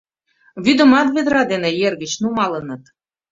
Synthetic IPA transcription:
βyd̪ə̆mɑt̪βed̪ɾɑd̪enejerɣə̆t͡ɕnumɑlə̆nɤ̆t̪

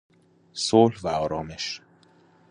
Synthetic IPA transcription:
solvæɒːɾɒːme̞ʃ

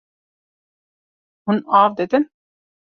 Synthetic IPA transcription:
hunaːvd̪ed̪ɪn

